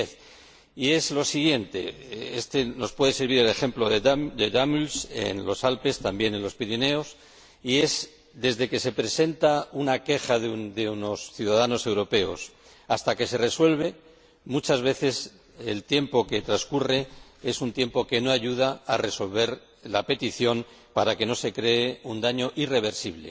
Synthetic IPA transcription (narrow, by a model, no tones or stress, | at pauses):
θ | ie̞zlo̞siɣje̞nt̪e̞̰est̪e̞no̞spwe̞ðe̞se̞ɾβiɾe̞le̞xe̞mplo̞ðed̪eðamulsḛnlo̞salpe̞st̪ambje̞ne̞nlo̞spiɾine̞o̞s | ie̞z | d̪e̞zðe̞ke̞se̞pɾe̞se̞nt̪aunake̞xaðd̪euno̞sθjuðaðano̞se̞wɾo̞pe̞o̞̰s | ast̪ake̞se̞re̞swe̞lβ̞e̞ | mut͡ʃazβe̞θe̞s | e̞lt̪je̞mpo̞ke̞t̪ɾaskure̞ | e̞sunt̪je̞mpo̞ke̞no̞aʝuð̞aːre̞so̞lβ̞e̞ɾ | lape̞t̪iθjo̞m | paɾake̞no̞se̞kɾe̞eund̪aɲo̞ʔire̞β̞e̞ɾsiβle